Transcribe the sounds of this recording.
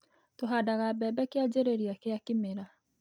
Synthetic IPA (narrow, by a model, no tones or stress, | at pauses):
toɦadaɣabɛːbɛkead͡ʒeɾeɾiakeakimeɾa